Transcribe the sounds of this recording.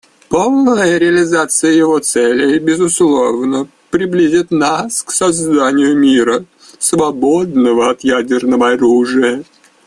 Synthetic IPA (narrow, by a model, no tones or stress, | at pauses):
polˠnnəjəɾʲɪəlʲɪzat̪sɨjəjɪvo̞t̪sɛlʲɪjbʲɪzʊslˠo̞vnə | pɾʲɪblʲizʲit̪nasksɐzd̪anʲɪjʊmʲiɾə | svɐbod̪nəvəɐt̪jædʲɪrnəvəɐɾuʐɨjə